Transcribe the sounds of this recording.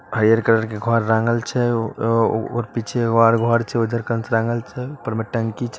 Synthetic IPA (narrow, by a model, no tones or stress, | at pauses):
ɦəɾijəɾkəɾəɾkeɡʱɔɾːaŋɡəlt͡ʃʰɛ | o̰ɾpit͡ʃʰeɡaɾɡʱɔɾt͡ʃʰɛod̪ʱəɾkənsɾaŋɡəlt͡ʃʰɛpəɾmeʈəŋkit͡ʃʰɛ